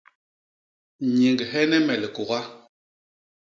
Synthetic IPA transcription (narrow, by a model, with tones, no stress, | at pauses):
ɲi˨ŋɡhɛ˦nɛ˦mɛ˨li˨ko˨ɣa˦